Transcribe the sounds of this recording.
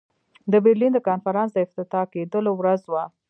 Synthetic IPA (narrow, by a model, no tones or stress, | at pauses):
d̪əbeɾlind̪əkɑnfaɾɑnsd̪əɪft̪ɪt̪ɑked̪əlowɾazwa